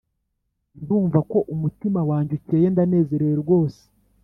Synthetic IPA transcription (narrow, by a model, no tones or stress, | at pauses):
nduːɱvako̞ʔumutimawaːɲɟuceːje̞ndane̞ːze̞ɾeje̞ɾɡwo̞ːse̥